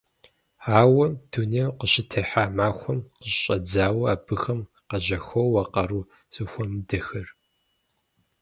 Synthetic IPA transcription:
aːwɐd̥ʰuneːwqəɕʼɪtʰɐħaːmaːxʷɔmqəɕɕʼɐd͡zaːwɐaːbɨxɐm | qɐʑɐxʷowːɐqɐɾuː | sʼɨxʷɔmdɐxɐr

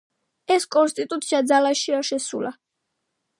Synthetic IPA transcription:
ɛskʼɔnst̪ʼit̪ʼut̪sʰiad̪zalaʃiaʃɛsula

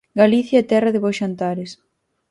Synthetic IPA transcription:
ɡaliθjaɛt̪ɛrɐðɪβoʃant̪aɾɪs

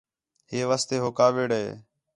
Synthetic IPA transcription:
ɦeːʋaːst̪eːɦoːkaːʋeːɽɦḛː

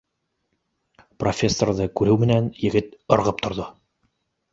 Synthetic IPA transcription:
profʲesːorðɤkʉɾɘwmɘ̆nænjɘ̆ɡɘt̪ŏɾʁɤp̚t̪ŏɾðo

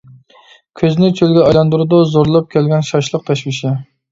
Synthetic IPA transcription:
kʲʰøznɪt͡ʃʰølɡʲɛɑjlˠɑnd̪uɾɨd̪uzoɾlˠɑp̚kʲʰɛlɡʲɛnʃɑʃlˠəq̚t̪ʰɑʃwɪʃɪ

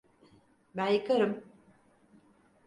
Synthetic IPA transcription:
bænjɯkʰaɾɯm

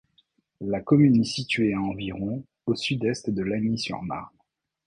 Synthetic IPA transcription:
lakɔmynɛsit̪ɥeaɑ̃viʁɔ̃ | osyd̪ɛst̪d̪əlaɲisy̰ʁna̰ʁ

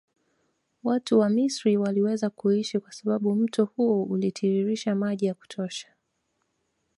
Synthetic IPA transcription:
watuwamisɾiwaliwɛzakuiʃikwasaɓaɓum̩tɔhuɔulitʰiɾiɾiʃamaʄijaku̥tʰɔʃḁ

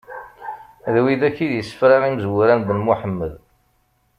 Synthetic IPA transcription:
ðwiðæçiðjəsːə̥fɾɑʁiməzwuɾænbənmuħəmːəð

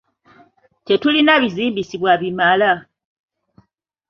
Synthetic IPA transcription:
te̞tulinaβiziːmbisiβwaβimala

